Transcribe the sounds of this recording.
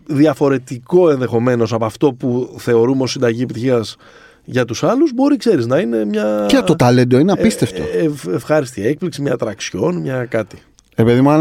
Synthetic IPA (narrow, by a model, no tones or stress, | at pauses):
ðiɐfo̞ɾe̞t̪iko̞e̞nðe̞xo̞me̞no̞sɐpɐft̪o̞puθe̞o̞ɾumeo̞sːind̪ɐʝie̞pit̪içiɐs | ʝɐt̪usɐluzbo̞ɾikse̞ɾiznɐine̞mɲɐot̪ɐlend̪oineɐpist̪eft̪oefxɐɾist̪ie̞k̚pliksimɲɐt̪ɾɐksço̞nmɲɐkɐt̪i | epeðimuɐ